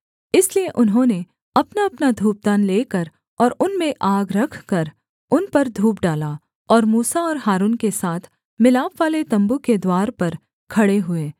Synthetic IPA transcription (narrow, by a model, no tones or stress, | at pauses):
ɪslieʔʊnɦõːne | ɐpnaɐpnad̪ʱuːp̚d̪aːnleːkɐɾ | ɔːɾʊnmẽʔaːɡɾɐkʰkɐɾ | ʊnpɐɾd̪ʱuːp̚ɖaːla | ɔːɾmuːsaɔːɾɦaːɾuːnkesaːt̪ʰ | mɪlaːpʋaːlet̪ɐ̃mbuked̪waːɾpɐɾ | kʰɐɽeɦʊeː